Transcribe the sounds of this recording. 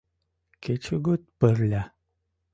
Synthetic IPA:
ket͡ʃʰuɡut̪̚pəɾlʲa

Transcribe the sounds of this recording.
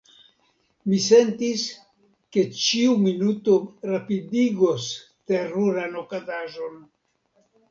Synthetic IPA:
mise̞ntis | ke̞t͡ʃiuminuto̞ɾapidiɡo̞s | te̞ɾuɾanokazaʒo̞n

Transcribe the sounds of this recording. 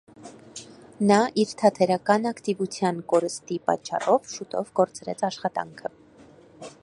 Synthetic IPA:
nɑʔiɾt̪ʰɑt̪ʰɛɾɑkɑnɑkt̪ivut͡sʰjɑnkɔɾəst̪ipɑ̰t͡ʃːɑ̰rɔvʃut̪ɔ̰vɡɔɾt͡sɾɛ̰t͡sʰɑʃχɑt̪ɑ̰ŋkʰə

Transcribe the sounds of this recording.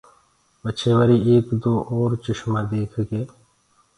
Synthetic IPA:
bət͡ʃʰeːʋəɾiːeːkd̪oːʔɔːɾt͡ʃɪʃmaːd̪eːkʰɡeː

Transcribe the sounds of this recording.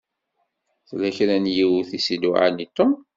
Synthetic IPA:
θlæçɾænjiwθisid̪uʕa̰nit̪ːo

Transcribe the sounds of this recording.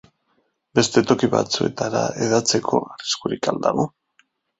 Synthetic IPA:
be̞st̪e̞t̪o̞kiβa̰t͡sue̞t̪aɾa̰e̞ðat͡se̞kʰo̞ariskuɾikald̪aɣo̞

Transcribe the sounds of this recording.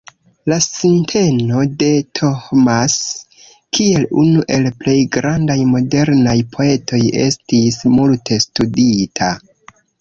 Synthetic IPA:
lasintʰe̞no̞de̞tʰohmas | kie̞lunuʔe̞lple̞jɡɾandajmo̞de̞ɾnajpʰo̞e̞tʰo̞je̞̰stismultʰe̞studitʰa

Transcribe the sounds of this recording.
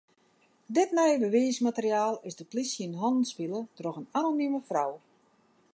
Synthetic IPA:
dɪtnɛjbəʋiːsmatərjaːlˠɪzdəplisjənɦɔnən̩spilˠətroxənanonyməfrɔw

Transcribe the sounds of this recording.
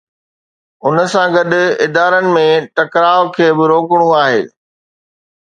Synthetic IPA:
ʊnəsãɡɐɗɪd̪aːɾənɪ̆mẽʈɐkɾaːokʰeːbɪɾoːkɪɽ̃ũaːɦḛː

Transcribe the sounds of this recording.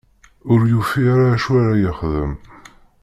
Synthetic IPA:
ʊɾjufiaɾaʃwaɾajəχðə̰m

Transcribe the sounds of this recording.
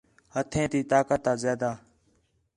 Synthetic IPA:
hət̪ʰẽːt̪iːt̪aːkət̪ːaːzaːd̪aː

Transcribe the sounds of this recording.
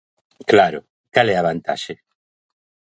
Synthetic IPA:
klaɾʊ | kalɛaβant̪a̰ʃɪ

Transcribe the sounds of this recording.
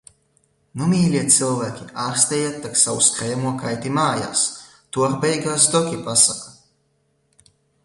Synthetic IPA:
numʲiːlʲiɛt̪sɨlˠvæːkʲiaːɾst̪ɛjat̪ːaksawuskɾɛːmuɔkajt̪imaːja̰ːs | t̪uɔɾbɛjɡaːs̬d̪ɔkʲipasaka

